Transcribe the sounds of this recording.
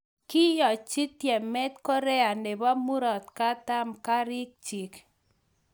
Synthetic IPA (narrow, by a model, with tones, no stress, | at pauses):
ki˦jɔ˨t͡ʃi˦t̪jɛ˨mɛ˦t̪kɔ˦ɾɛ˦a˨nde˨ba˦mu˦ɾɔ˨t̪ka˦t̪a˦mka˦ɾi˦k̚t͡ʃi˨k